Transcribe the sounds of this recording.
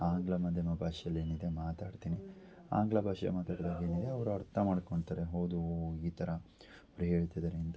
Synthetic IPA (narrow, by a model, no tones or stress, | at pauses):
aːŋɡlɐmɐd̪ʱjɐmɐbʱaːʂjɐlːe̞ːnid̪e̞maːt̪aːɖt̪iːni | a̰ːŋɡlɐbʱaːʂjɐ̰maːt̪aːɽd̪aːɡeːnid̪e̞ɐʋɐɾuɐɾt̪ʰɐmaːɽkoɳɖt̪aːɾeɦoːd̪uiːt̪ʰɐɾɐ | pɐɾiɦeːɭit̪ɐd̪ɐɾeint̪ɐ